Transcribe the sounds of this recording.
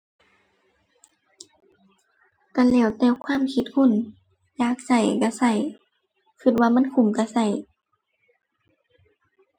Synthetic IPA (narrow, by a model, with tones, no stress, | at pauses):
ka˧˩lɛː˧˩˨wt̪ɛː˧˨wkʰwaː˧˥˨mkʰi˧˦t̪̚hʰu˧˥˨n | jaː˧˦k̚sa˧˩jka˧˩sa˧˩j | kʰɯ˧˩t̪̚waː˧˨ma˧˥˨nkʰu˧˩˨mka˧sa˧˩j